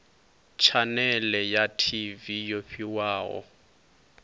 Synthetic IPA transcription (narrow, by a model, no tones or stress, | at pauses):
t͡ʃʰanɛlɛjatʰivijoɸiwaːɣɔ̰